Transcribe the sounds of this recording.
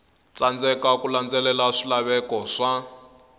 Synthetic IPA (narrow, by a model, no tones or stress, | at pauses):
t͡sand͡zɛkakuland͡zɛlɛlaʂilaβɛkɔʂa